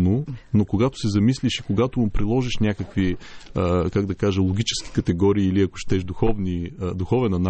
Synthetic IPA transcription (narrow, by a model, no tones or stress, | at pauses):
nonokoɡat̪ʊ̥sɛzɐmisliʃikoɡat̪ompɾilˠɔʒiʃnʲakəkviəkaɡd̪ɐkaʒɐlˠoɡʲit͡ʃɛ̥sk̟i̥kɐt̪ɛɡɔɾiːliɐkʊ̥ʃt̪ɛʃd̪uxɔvnid̪uxɔvɛnɐn